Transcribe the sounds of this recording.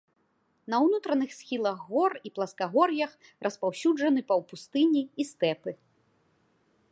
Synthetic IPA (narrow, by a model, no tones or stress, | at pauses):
nɐwnut̪ɾɐnɨxsʲxʲilˠɐɣːɔriplˠɐskaɣɔrjɐx | rʔɐspawsʲud͡ʐɐnɨpɐwpust̪ɨnʲiist̪ɛpɨ